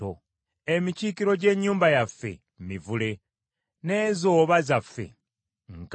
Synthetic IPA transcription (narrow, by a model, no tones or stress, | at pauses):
o | emiciːkiɾo̞ɟe̞ːɲːuːmbajafːe̞̰ | mivule̞ | ne̞ːzo̞ːβazafːe̞̰ | ŋk